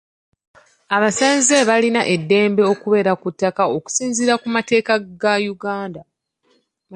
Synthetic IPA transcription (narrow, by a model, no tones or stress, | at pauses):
aβasanzeβalinaʔe̞dːe̞ːmbe̞o̞kuβe̞ɾakutːakaoku̥siːnziɾakumate̞ːkaɡajuɡaːnda